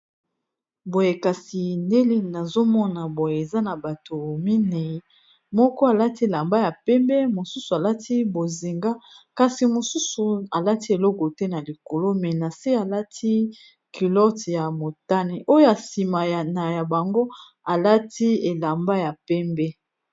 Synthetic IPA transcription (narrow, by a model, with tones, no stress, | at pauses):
bo˨je˨ka˨si˨nde˦li˦na˨zo˦mɔ˦na˨bo˨je˨e˨za˦na˨ba˨to˨mi˦ne˨i˦ | mɔ˦kɔ˦a˨la˦ti˦e˨la˨mba˦ja˨pɛ˦mbɛ˦mo˨su˦su˨a˨la˦tʰi˦bo˨zi˨ŋɡa˦ka˨si˨mo˨su˦su˨a˨la˦ti˦e˨lɔ˦ko˨tɛ˦na˨li˨ko˨lo˦mɛ˨na˨si˦a˨la˦tʰi˦ | ki˨lɔ˦tja˨mo˨ta˦ni˨ʔo˦jo˦ja˨si˨ma˨jna˨ja˨ba˨ŋɡo˦ | a˨la˦tʰi˦e˨la˨mba˦ja˨pɛ˦mbɛ˦